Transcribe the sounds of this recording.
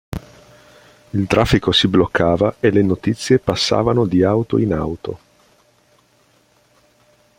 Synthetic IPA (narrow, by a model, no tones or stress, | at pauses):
ilt̪ɾʔafːikosiblokʰːaːvaelenot̪it̪sːjepasːa̰ːvanod̪iawt̪o̰ina̰wt̪o̰